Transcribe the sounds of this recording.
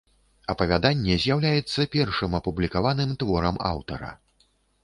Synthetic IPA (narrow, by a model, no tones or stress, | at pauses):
ɐpɐvʲad̪anʲːɛzʲjawlʲajɛt̪sːɐpʲɛrʂɨmɐpublʲikavanɨmt̪vɔɾɐma̰wt̪ɐ̰ɾɐ̰